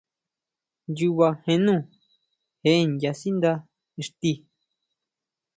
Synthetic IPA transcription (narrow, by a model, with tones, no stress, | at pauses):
nju˧βa˧hẽ˧nũ˦˨ | he˧˦ʔe˦˨nja˧si˦nd̪a˧ | i˧ʂt̪i˧